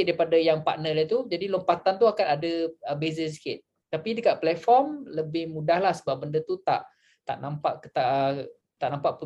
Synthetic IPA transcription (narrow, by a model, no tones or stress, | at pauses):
t̪̚daipadajaŋpaʔnəlat̪ud͡ʒadilompat̪ant̪uakanadəəbezəs̬i̥kɪt̪̚ | t̪ːapidəkaʔ̚plɛt̪fɔrmləbɪhmudahlahsəbap̚bəndət̪ut̪a̰ʔ | t̪a̰ʔnampaʔkət̪aʔə | t̪aʔnãmpaʔpə